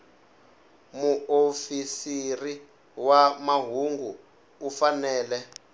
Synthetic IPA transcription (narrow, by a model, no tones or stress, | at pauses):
muofisiri | wamaɦuŋɡuː | fanɛːlɛ